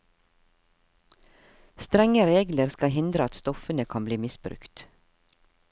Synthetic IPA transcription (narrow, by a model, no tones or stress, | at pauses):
st̪ɾɛŋəɾeːɡləɾskɑhɪnd̪ɾəɑt̪st̪ɔfənəkʰɑmbliːmɪsbɾʉ̰kt̪